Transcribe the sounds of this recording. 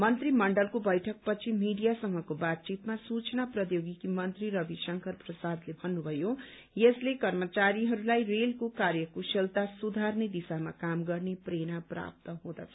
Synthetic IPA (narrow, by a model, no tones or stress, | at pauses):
mʌnt̪rimʌɳɖʌlkobʌjʈʰʌk̚pʌt͡sʰimiɖijasʌŋɡʌkobat̪̚t͡sit̪masut͡snaprʌjoɡikimʌnt̪riɾʌbisʌŋkʌrprʌsad̪lebʱʌnːubʱʌjo | jeslekʌrmʌt͡saɾiɦʌɾulajrelkokarjʌkoselt̪asud̪ʱarned̪isamakamɡʌrneprenapra̰p̚t̪ʌɦõd̪a̰t͡sʰʌ̥